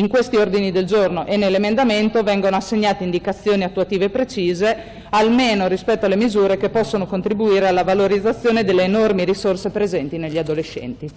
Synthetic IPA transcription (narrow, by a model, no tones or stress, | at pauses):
iŋkwest̪iord̪inid̪eld͡ʒornoʔenːelːemend̪ament̪ovɛŋɡonoasːeɲːaːt̪eind̪ikat̪sːjoːniat̪ːuat̪iːveːpːɾet͡ʃiːze | almeːnoɾispɛt̪ːoalemizuːɾekepːɔsːonokont̪ɾibuiːɾealːavaloɾid̪zːat̪sːjoːned̪elːeːnormiɾisorsepɾezɛnt̪ineʎːiad̪oleʃːɛ̰nt̪i